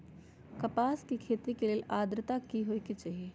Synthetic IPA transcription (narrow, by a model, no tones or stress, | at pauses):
kɐpaːskikʰeːt̪ikeleːlʔaːd̪ɾət̪akiɦoikit͡ʃaːɦieː